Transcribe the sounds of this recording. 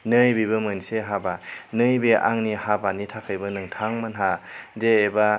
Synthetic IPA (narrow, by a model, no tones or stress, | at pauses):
nɯjbibɯmɯnseɦabanɯjbeʔaŋnihabanitʰakʰɯjbɯnɯŋtʰaŋmɯnɦadeːba